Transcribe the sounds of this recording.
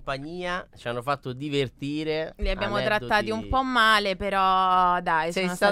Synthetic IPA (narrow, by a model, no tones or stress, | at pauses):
paɲːiːat͡ʃianːofat̪ːod̪ivert̪iːɾeliabjaːmot̪ɾat̪ːaːt̪iumpɔmːaːlepeɾɔd̪ajssɛa